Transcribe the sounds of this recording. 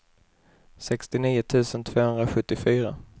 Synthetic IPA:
sɛkst̪ɪniːʊt̪ʰʉ̟ːsənt̪ʰv̥oːhɵnd̪ɾaɧɵt̪ːɪfyːɾa̰

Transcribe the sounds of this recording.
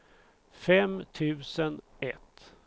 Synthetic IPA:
fɛmt̪ʰʉ̟ːsənɛt̪

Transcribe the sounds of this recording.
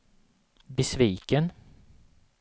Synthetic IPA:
bəsviːkən

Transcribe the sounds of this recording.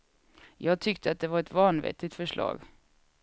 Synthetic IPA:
jɑːɡ̚t̪ʰʏkt̪ʰəat̪̚d̪ɛvaɾɛt̪vɑːnvɛ̰t̪ːɪt̪fœʂɭɑ̰ːɡ

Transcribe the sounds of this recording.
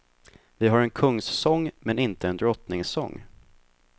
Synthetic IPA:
vɪɦaɾɛnkʰɵŋːsːɔŋːmɛnɪnt̪əɛnd̪ɾɔt̪nɪŋsɔ̰ŋː

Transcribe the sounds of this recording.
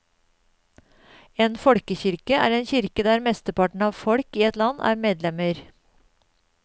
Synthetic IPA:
eːnfɔɽkəçʏɾkəʔæ̰ːɾeːnçʏɾkəd̪æːɾmɛst̪əpɑʈɳ̩ɑːʋfɔɽkiːɛt̪lɑnʔæ̰ːɾmeːd̪lɛməɾ

